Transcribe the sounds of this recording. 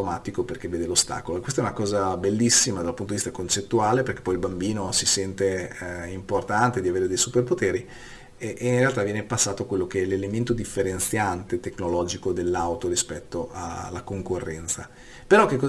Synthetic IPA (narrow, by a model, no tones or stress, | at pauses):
omaːt̪ikoperkevːeːd̪elost̪a̰ːkoloekwest̪aɛunakɔːzabelːisːimad̪alpunt̪od̪vist̪akont͡ʃet̪ːuaːleperk̟e̥pːɔjilbambiːnosisɛnt̪eimport̪ant̪ed̪iaveːɾed̪ejsuperpot̪eːɾi | ʔeinrealt̪avjɛːnepasːaːt̪okwelːokeɛlelement̪od̪ifːeɾent̪sjant̪et̪ekːnolɔːd͡ʒikod̪elːawt̪oɾispɛt̪ːoʔa̰lːakoŋkorːɛnt̪sa̰ | peɾɔk̟ːekːɔ